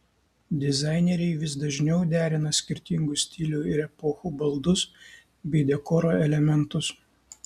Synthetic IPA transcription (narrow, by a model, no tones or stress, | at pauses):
d̪ʲɪzɑˑɪnʲɛɾʲɛɪʋʲɪsd̪ɐʒʲnʲɛʊd̪ʲæːɾʲɪnɐsʲkʲɪɾʲt̪ʲɪŋɡʊsʲt̪ʲɪlʲuɪɾɛpoːxubɐlˠd̪ʊs | bʲɛɪd̪ʲɛkɔɾoːɛlʲɛmʲɛnt̪ʊs